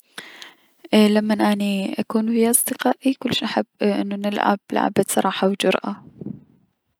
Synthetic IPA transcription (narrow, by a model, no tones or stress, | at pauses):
ʔlamːanʔaniʔakuːnfiʔɑsˤd̪ɨqɑːʔʔikʊlːʃnʔaħabːʔɪ̰nːunɪlʕa̰bla̰ʕ̰basˤɑɾˤɑːħawd͡ʒʊɾˤʔa